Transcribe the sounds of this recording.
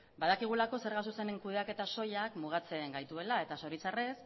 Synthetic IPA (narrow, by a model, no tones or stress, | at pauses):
baðakiɣ̞ulako̞se̞ɾɣasuse̞ne̞ŋkuðe̞ake̞t̪aso̞jakmuɣ̞at͡se̞ŋɡajt̪ue̞lae̞t̪aso̞ɾit͡sare̞s